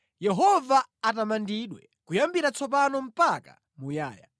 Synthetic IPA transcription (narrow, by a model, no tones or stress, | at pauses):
jɛɦɔvaːtamandiɗwɛ̰ | kujambiɾat͡sʰɔp̬anɔm̩paka̰ | muja̰ːja̰